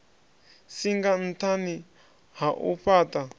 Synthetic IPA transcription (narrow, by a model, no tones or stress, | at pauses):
siŋɡan̩t̪ʰanĩ | haʔṵɸat̪a